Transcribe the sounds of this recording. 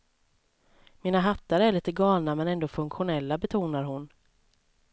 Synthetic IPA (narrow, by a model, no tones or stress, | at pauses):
miːnaɦat̪ːaɾəæɭiːt̪əɡɑːlnamɛnɛnd̪oːfɵŋkɧʊnɛlːabɛt̪ʰuːnaɾɦʊn